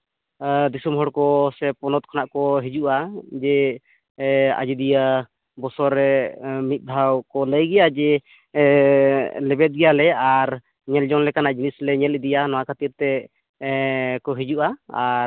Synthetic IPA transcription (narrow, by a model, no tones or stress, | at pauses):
d̪isumɦɔɽkɔsɛpɔnɔt̪̚kʰɔnaʔkɔɦid͡ʒuʔad͡ʒɛ | a̰d͡ʒid̪ija | bɔsɔɾɛmit̪̚b̪ʱawkɔləjɡɛjad͡ʒɛ | lɛbɛt̪̚ɡɛjalɛaɾ | ɲɛld͡ʒɔŋlɛkanaʔd͡ʒinislɛɲɛlid̪ijanɔwakʰat̪iɾt̪ɛ | kɔɦid͡ʒuʔaaɾ